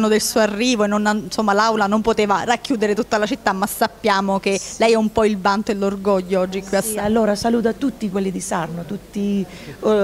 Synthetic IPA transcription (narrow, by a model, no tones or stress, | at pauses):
nːod̪elsuːoarːiːvoenːonansomːalawlanompot̪eːvarakːjuːd̪eɾet̪ut̪ːalat͡ʃit̪ːamːasːapːjaːmokelɛjɛumpɔilvant̪oelːorɡɔʎːoɔd͡ʒːikːwiasalːoːɾasaluːt̪̬at̪ːut̪ːikwelːid̪isarnot̪ut̪ːi